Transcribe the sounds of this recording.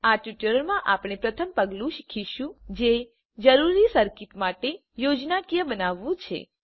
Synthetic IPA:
aʈjuʈəɾəɾmãʔapɽ̃epɾət̪ʰəmpəɡlũʃi̥kʰiʃũd͡ʒe | d͡ʒəɾuɾisəɾkit̪maʈe | jod͡ʒnakijəbənaʋːũt͡ʃʰḛ

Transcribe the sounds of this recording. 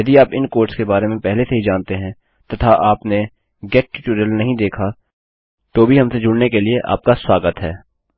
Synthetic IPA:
jɐd̪iaːpɪnkoːɾʈskebaːɾemẽpɛɦleseɦid͡ʒaːnt̪eɦɛ̃ | t̪ɐt̪ʰaʔaːpne | ɡɛːʈ̚ːɪʈuːɾjəlnɐɦĩd̪eːkʰa | t̪obʱiɦɐmsed͡ʒʊɽnekelieʔa̰ːp̚kaswaːɡət̪ɦɛː

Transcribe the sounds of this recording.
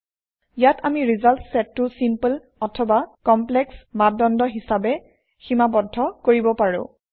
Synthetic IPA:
jatʰamiɹizaltsɛtːʊsimpəl | ɔtʰɔbakɔmplɛksmadɔndɔɦisabɛ | ximabɔdʱːɔkoɹibɔpaɹʊ̰̃

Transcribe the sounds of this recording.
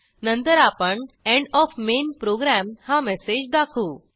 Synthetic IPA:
nə̃nt̪əɾapəɳɛ̃ɳɖɔfmenpɾoɡɾæmhamɛsed͡ʑd̪akʰuː

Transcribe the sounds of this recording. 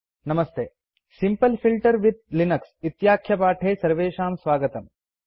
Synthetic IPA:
nɐmɐst̪eː | simpɐlfilʈɐɾʋid̪̚linɐksit̪jaːkʰjɐpaːʈʰeːsɐɾʋeːʃaːmsʋaːɡɐt̪ɐm

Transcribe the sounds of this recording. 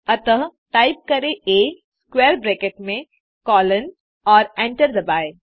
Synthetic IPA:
ɐt̪əɦʈaːɪp̚kɐɾeʔeː | skweːɾbɾeːkeʈmẽ | kɔːlən | ɔːɾɛ̃ːɳʈəɾd̪ɐbaːe

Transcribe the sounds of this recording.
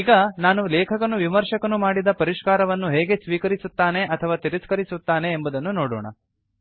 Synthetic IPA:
iːɡɐnaːnulɛːkʰɐkɐnːuʋimɐɾʂɐkɐnumaːɽid̪ɐpɐɾiʂkaːɾɐʋɐnːuɦɛːɡe̞sʋiːkɐɾisut̪ːaːne̞ʔɐt̪ʰɐʋaːt̪iɾiskɐɾisut̪ːaːne̞ːmbud̪ɐnːunoːɽo̰ːɳɐ̰

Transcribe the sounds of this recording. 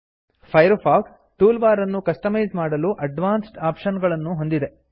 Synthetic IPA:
pʰɐjɾfaːʈ | ʈuːlʋaːɾɐnːukɐsʈɐmɐjzmaːɽɐluʔɐɖʋaːnsʈaːpʃɐnɡɐɭɐnːuɦo̞nd̪id̪e̞

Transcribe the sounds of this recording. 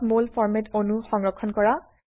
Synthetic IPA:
tmolfɔɹmɛtonuxɔŋɹɔkʰːɔnkɔɹa

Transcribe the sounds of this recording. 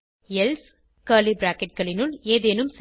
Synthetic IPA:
ɛls | kɐlibɾaːkɛʈ̚ɡɐɭɪnɯleːðeːnɯms

